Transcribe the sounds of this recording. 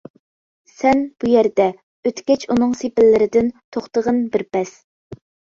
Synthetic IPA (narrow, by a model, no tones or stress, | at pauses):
sɛnb̥ujɛɾd̪ɛ | øt̪ɡʲɛt͡ʃʰunɨŋsepɪlːɪɾɪd̪ɪnt̪ʰoχt̪əʁənbɪɾpɛs